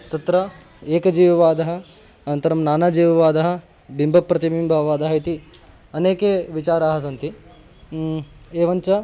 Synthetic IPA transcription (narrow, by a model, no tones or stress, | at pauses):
t̪ɐt̪ɾɐ | eːkɐd͡ʒiːʋɐʋaːd̪ɐɦɐ̆ | ɐnɐnt̪ɐɾɐmnaːnaːd͡ʒiːʋɐʋaːd̪ɐɦɐ̆ | bimbʱɐpːɾɐt̪imimbʱɐʋɐʋaːd̪ɐɦɐit̪i | ɐneːkeːʋit͡ʃaːɾaːɦɐsɐnt̪i | eːʋɐɲt͡ʃɐ